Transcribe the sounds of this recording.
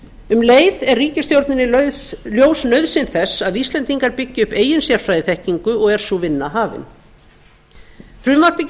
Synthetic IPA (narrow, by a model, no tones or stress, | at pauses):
ʏmleːjðɛrriːcɪst̪jowɾt̪nɪnːɪljoːwsnœɥðsɪnθɛsːaðist̪lɛnt̪iŋkaɾpɪcːɪʏhpeːjɪnsjɛɾ̥fɾajðɪθɛhciŋkʏɔɣɛɾ̥suvɪnːaɦaːvɪ̰n | fɾʏːmaɾ̥pɪ